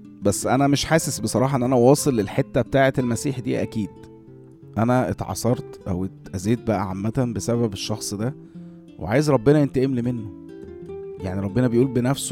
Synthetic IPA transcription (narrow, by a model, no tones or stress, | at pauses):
bæsːʔænæmeʃħaːsesbesˤɑɾˤɑːħɑʔenːʔænæwɑːsˤelːelħet̪ːæbet̪aːʕet̪elmæsiːħd̪ḭːʔæ̰kiːd̪̥ | ʔænæʔet̪ʕɑ̰sˤɑɾˤt̪ʔæ̰wet̪ʔæzeːt̪̚bæʔæ̰ʕamːæt̪æbesæβæbeʃːɑxsˤd̪æ | wʔḛʕaːjezɾˤɑbːenɑjent̪æʔemlimenːo | jaʕniɾˤɑbːenæbejʔuːlbenæfs